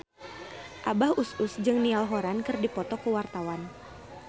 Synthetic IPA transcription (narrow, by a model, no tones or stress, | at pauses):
ʔabahusʊsd͡ʒɨŋnialɦɔɾankɨrdipɔt̪ɔkəwart̪awan